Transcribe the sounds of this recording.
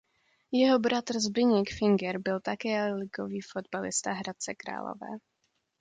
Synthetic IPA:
jɛɦobɾat̪r̩zbɪɲɪkfɪŋɡɛɾbɪlt̪akɛːlɪɡoviːfod̪balɪ̰st̪aɦɾat̪̚t͡sɛkɾa̰ːlo̰vɛ̰ː

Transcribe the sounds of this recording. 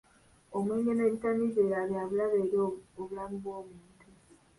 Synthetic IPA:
o̞mwe̞ːɲɡe̞ne̞βitanizeːɾaβjaːβulaβeːɾiooβulamuβwo̞ːmuːntʰu

